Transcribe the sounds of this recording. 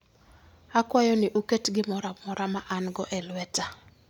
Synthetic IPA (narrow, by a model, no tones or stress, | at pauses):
akwajɔnɪʔuketɡɪmɔɾamɔɾamaʔanɡɔʔɛlwɛta